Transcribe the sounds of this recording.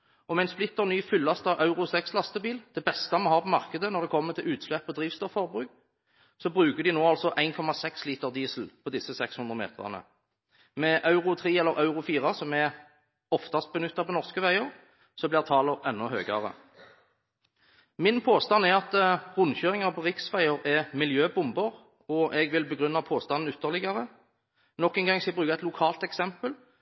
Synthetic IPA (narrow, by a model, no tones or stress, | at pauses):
ɔmɛæɛɪnsplɪt̪ːəʁnyːfʏlːɑst̪ɑʋʔɑʉʁʊsɛkslɑst̪əbiːld̪̥ɛbɛst̪ɑmoːhɑːʁpʰɔmɑʁkəd̪ənɔʁd̪ɛkʰɔmːəʁt̪ʰɪlʉːt̪slɛpːɔd̪ʁiːʋst̪ɔfɔʁbʁʉːk̚ | sɔbʁʉːkəʁd̪ɪnoːɑlsɔʔæɪnkʰɔmɑsɛksliːt̪əʁd̪iːsl̩pʰɔd̪ɪsːəsɛkshʉnd̪ʁəmḛːt̪əʁɑ̰nə̰ | mɛʔɑʉʁʊt̪ʰʁeːɛlːəɾʔɑʉʁʊfiːʁɑsɔmɛ | ɔft̪ɑst̪̚bənʉt̪ːɑpʰɔnɔʁskəʋæɪəʁ | sɔblɪːʁt̪ʰɑːlɔʁɛnːɔhøːɡɑʁə̰ | mɪnpʰoːst̪ɑnːɛɑt̪ʁʊnçøːʁɪŋɑʁpʰɔʁɪksʋæɪəʁɛmɪljøːbʊmbəʁ | ɔʔɛɡʋɪlbəɡʁʉnːɑpʰoːst̪ɑnn̩ʉt̪ːəʁlɪɡɑʁə | nɔkːɛnɡɑŋsɛbʁʉːkɑɛt̪lʊkʰɑːlt̪ɛksɛmpəl